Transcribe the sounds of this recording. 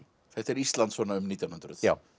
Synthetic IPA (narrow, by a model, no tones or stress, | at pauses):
θɛht̪ɛɾist̪lant̪svɔnaʏmniːt̪janhʏnt̪ɾʏ̰ð̥a